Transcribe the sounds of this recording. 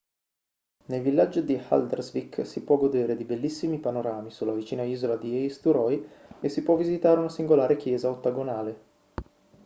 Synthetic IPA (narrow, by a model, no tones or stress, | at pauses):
nelvilːad͡ʒːod̪iha̰ld̪erzvikːsipwɔɡod̪eːɾed̪ibelːisːimipanoɾaːmisulːavit͡ʃiːnaiːzolad̪iɛjst̪uɾɔjesːipwɔvːizit̪aːɾeunasiŋɡolaːɾek̟jɛːzaot̪ːaɡonaːle